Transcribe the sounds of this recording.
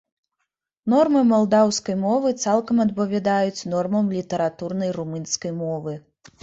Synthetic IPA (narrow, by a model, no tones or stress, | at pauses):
n̪ɔrmɨmɔlˠd̪awskɐjmɔvɨt̪salˠkɐmɐd̪bɐvʲad̪ajut͡sʲnɔrmɐmlʲit̪ɐɾat̪urnɐjrumɨnskɐjmɔvɨ